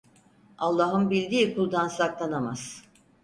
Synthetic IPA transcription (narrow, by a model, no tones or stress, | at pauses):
alˠːaːɦɯnbilʲd̪iːkʰulˠd̪ansaklˠanama̰z̥